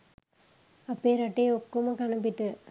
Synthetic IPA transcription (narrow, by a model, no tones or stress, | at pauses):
ɐpːeːɾɐʈːejokːomɐkɐnɐpiʈːɨ